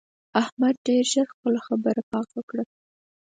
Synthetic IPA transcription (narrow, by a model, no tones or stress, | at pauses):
ahmad̪̚ɖeɾʒəɾxpəlaxabəɾapɑkwəkɽə